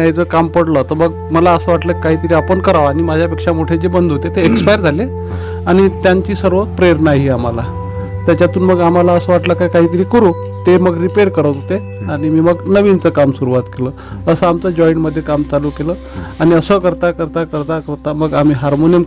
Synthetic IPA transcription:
ajt͡səkampəɽlət̪əməɡ | məlaəsəːʋaʈləːkkːaɦiːt̪əɾiːapəɳkəɾaʋaɽ̃imad͡ʑʱjapekʂamoʈʰed͡ʑebənd̪ʱɦot̪et̪eekspajɾd͡zʱale | aɽ̃it̪jaɲt͡ɕiːsəɾʋət̪pɾeɾnaɦiam̤ala | t̪jat͡ɕat̪uːnməɡam̤alaəsəːʋaʈləkajkaɦiːt̪əɾiːkəɾũ | t̪eməɡɾipeɾkəɾət̪ɦot̪e | aɽ̃imiːməɡnəʋint͡səkamsuɾuʋat̪keləː | əsəamt͡səd͡ʑɔiɳʈməd̪ʱːjekamt͡saluːkelə | aɽ̃iəsəkəɾt̪akəɾt̪akəɾt̪akəɾt̪aməɡam̤iːɦaɾmoniəm

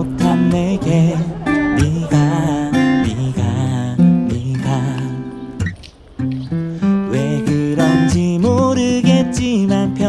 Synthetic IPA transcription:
ok̚tʰanːeɡemiɡa | miɡa | miɡa | weɡɯɾʌnd͡ʑimoɾɯɡet̚t͡ɕ͈imanpʰjʌ

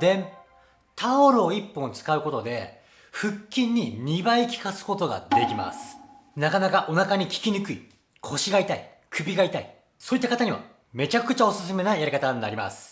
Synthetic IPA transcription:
d̪ẽ̞m | t̪ʰaoɾɯo̞ipːõnt͡sɨ̥kaɯ̟ko̞t̪o̞d̪e̞ | ɸɯ̟kʲːĩɲ̟ːiɲ̟ʲibaikʲi̥kasɨ̥ko̞t̪o̞ɡa̰d̪e̞kʲima̰sɨ̥ | nakanakaʔo̞nakaɲ̟ikʲi̥kʲinɯkɯ̟i | kʰo̞ɕiɡait̪ai | kʰɯ̟bʲiɡait̪ai | so̞ːit̪ːakat̪aɲ̟iβa̰ | me̞t͡ɕakɯ̟t͡ɕao̞sɨs̬ɨme̞naijaɾikat̪aɲnaɾʲima̰sɨ̥

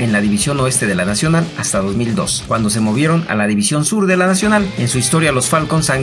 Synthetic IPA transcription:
enlaðiβisjo̞no̞e̞st̪e̞ð̞e̞lanasjo̞nalast̪aðo̞zmild̪o̞̰skwand̪o̞se̞mo̞β̞je̞ɾo̞na̰laðiβisjo̞nsuɾðe̞lanasjo̞nalensuist̪o̞ɾjalo̞sfalko̞nsaŋ

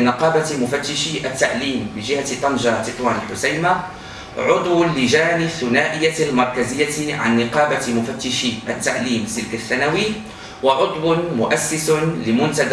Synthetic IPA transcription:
nɪqɑːbamʊfat̪ːɪʃiʔat̪ːaʔliːmbɪd͡ʒɪhat̪ːɑnd͡ʒɑt̪ɪt̪waːnɪlħʊsajma | ʕʊd̪ˤwalːɪʒaːnɪθːʊnaːʔɪjːalmɑɾˤkazɪjːaʕa̰nːɪqɑːbamʊfat̪ːɪʃiʔat̪ːaʔliːmsɪlkaθːanawi | waʕʊd̪ˤwmʊʔasːɪslɪmʊnt̪ad̪

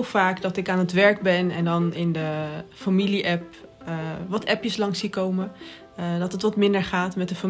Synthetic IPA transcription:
faːkdɑtɪkaːnətʋɛɹk̚bɛnɛ̰ndɑnɪndəfamiliʔɛp̚ | ʋɑtɛpjəslɑŋsikowmə | dɑtətʋɑtmɪndəɹχaːtmɛtdəfa

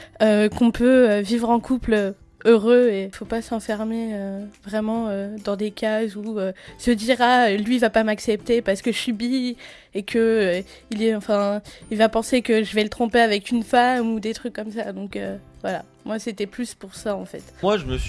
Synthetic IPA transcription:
økɔ̃pʰøøvivʁɑ̃kʰuplø | øʁøefopasɑ̃fɛʁmeøvʁɛmɑ̃ød̪ɑ̃d̪ekazuøsəd̪iʁalɥivapamaksɛp̚t̪epaʁsə̥kəsybi | ekʰə | ilɛɑ̃fɛ̃ilvapɑ̃sekəʒəvɛlət̪χɔ̃peavɛkynfamud̪et̪χykːɔmsad̪ɔ̃kø | vwala̰ | mwaset̪ɛplyspuʁsaɑ̃fɛ̰t̪waʒəməs

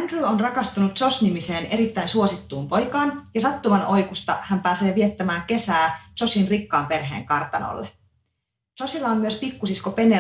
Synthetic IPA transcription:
ndruonrɑkɑst̪unut̪so̞snimise̞ːne̞ɾit̪ːæjnsuosit̪ːuːmpo̞jkɑːnjɑsɑt̪ːumɑno̞jkust̪ɑ̰hæmpæːse̞ːʋie̞t̪ːæmæːŋke̞sæːso̞sinrikːɑːmpe̞rɦeːŋkɑrt̪ɑno̰lːe | sosilːɑommyøspikːusiskope̞ne

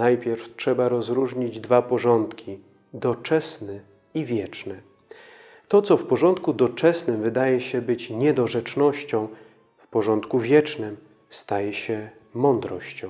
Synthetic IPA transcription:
najpʲjɛɾftʂɛbaɾɔzɾuʐɲid͡ʑd̪vapɔʐɔnt̪kʲʰi | d̪ɔt͡ʂɛsnɘ | ivʲjɛt͡ʂnɛ | t̪ɔt̪sɔfpɔʐɔnt̪kud̪ɔt͡ʂɛsnɘmvɘd̪ajɛɕɛbɘt͡ɕɲɛd̪ɔʐɛt͡ʂnɔɕt͡ɕɔ̃w̃ | fpɔʐɔnt̪kuvʲjɛt͡ʂnɘm | st̪ajɛɕɛ | mɔnd̪ɾɔɕt͡ɕɔ̃w̃

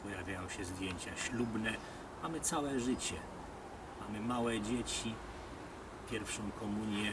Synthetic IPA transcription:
pɔjavʲjajɔ̃w̃ɕɛzd̪ʲjeɲt͡ɕaɕlubnɛ | mamɘt̪sawɛʐɘt͡ɕɛ | mamɘmawɛd͡ʑet͡ɕi | pʲjɛɾfʂɔ̃w̃kɔmuɲʲjɛ

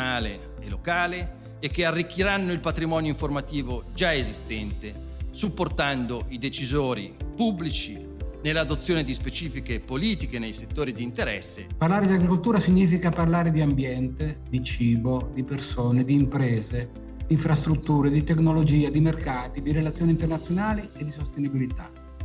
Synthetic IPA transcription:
aːle | elokaːleː | kːearːikːiɾanːoilpat̪ɾimɔːnjoiɱformat̪iːvod͡ʒaezist̪ɛnt̪e | supːort̪and̪oid̪et͡ʃizoːɾḭpubːlit͡ʃi | nelːad̪ot̪sːjoːned̪ispet͡ʃiːfikepoliːt̪ikenejset̪ːoːɾid̪iːnt̪eɾɛ̰sːḛparlaːɾed̪iaɡɾikolt̪uːɾasiɲːiːfikaparlaːɾed̪iambjɛnt̪ed̪it͡ʃiːbod̪ipersoːned̪iːmpɾɛːze | d̪̥iːɱfɾast̪ɾut̪ːuːɾed̪it̪eknolod͡ʒiːad̪imerkaːt̪id̪iɾelat̪sjoːnint̪ernat̪sːjonaːlied̪isost̪enibilit̪a̰

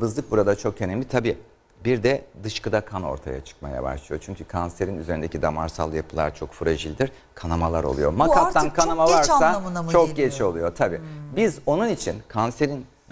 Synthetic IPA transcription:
bɯzlˠɯk̚buɾad̪at͡ʃʰo̞kʰenemʲit̪ʰabiː | biɾd̪ɛd̪ɯʃkɯd̪akʰano̞̰ɾt̪ʰaja̰t͡ʃʰɯ̥k̚ma̰ja̰ba̰ʃlˠɯjo̞̰t͡ʃʰyɲcʰykʰanse̞ɾinyze̞ɾind̪ecʰid̪amaɾsa̰lˠjapʰɯlˠa̰ɾt͡ʃʰo̞kfɯɾaʒilʲd̪iɾ | kʰanamalˠaɾo̰lˠujo̞̰makaankʰanamavaɾsat͡ʃʰo̞kɟet͡ʃʰio̞lˠujo̞t̪ʰabiːbizo̞nunit͡ʃʰinkʰanse̞ɾin

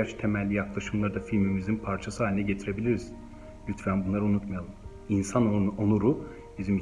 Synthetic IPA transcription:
aɾt͡ʃt̪ʰe̞mælʲːijaklˠaʃɯmlˠaɾd̪afilʲmimizinpʰaɾt͡ʃʰasɯaːinɛɟe̞t̪ʰiɾe̞bilʲiɾiz̥ | lʲyt̪fænbunˠaɾaunut̪majalˠɯm | insanoonuɾu | bizimi

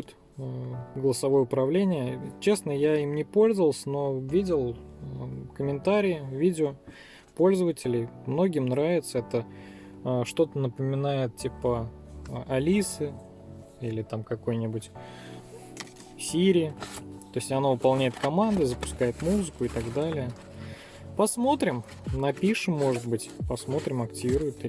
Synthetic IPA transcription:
t̪ | əɡəlˠəsɐvo̞jəʊpɾɐvlʲenʲɪjət͡ɕe̞snəjaimnʲɪpo̞lʲzəvəlˠsʲəno̞vʲidʲɪlˠ | kəmʲɪnt̪aɾʲɪjɪvʲidʲɪo | po̞lʲzəvətʲɪlʲɪjmno̞ɡʲɪmnɾavʲɪt̪səɛt̪ə | əʂt̪o̞t̪ənəpəmʲɪnajɪt̪̚tʲipə | ʔɐlʲisɨ | ilʲɪt̪amkɐko̞jnʲɪbʊtʲ | sʲiɾʲɪɪt̪o̞ɪsʲtʲɐnovəpɐlˠnʲæjɪt̪kɐmand̪ɨzəpʊ̥skajɪt̪muzɨkʊɪt̪aɡd̪alʲɪjə | pɐsmo̞t̪ɾʲɪm | nɐpʲiʂɨmːo̞ʐɨt̪̚bɨtʲpɐsmo̞t̪ɾʲɪmɐktʲɪvʲiɾʊjɪt̪

